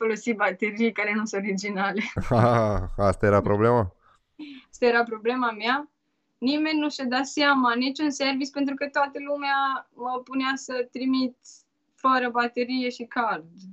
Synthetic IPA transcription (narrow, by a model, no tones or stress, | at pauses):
folo̞sibat̪e̞ɾijkaɾe̞nusɨ̃t̪oɾid͡ʒinale̞aast̪ajeɾapɾoblema | ast̪ajeɾapɾo̞blemama | nime̞nʲnuʃad̪aseamanit͡ʃunse̞rvit̪sʲpe̞nt̪ɾukət̪oat̪əlumeaməpuneasət̪ɾimit̪ | fəɾəbat̪e̞ɾije̞ʃikard̪